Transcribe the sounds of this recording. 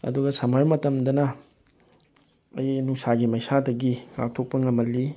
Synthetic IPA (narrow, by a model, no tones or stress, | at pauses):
ɐ̰duɡɐsɐmɐɾmɐtɐmdɐnɐ | ɐjnusaɡimɐjsadɐɡiŋa̰k̚tʰok̚pɐŋɐmɐlːi